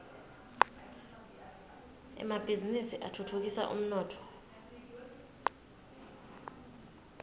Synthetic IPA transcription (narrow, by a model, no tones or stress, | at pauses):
ɛ̰mab̥ʱizinisiʔatʰutʰuk̬isa̰ʔṵm̩nɔːtʰɔ̥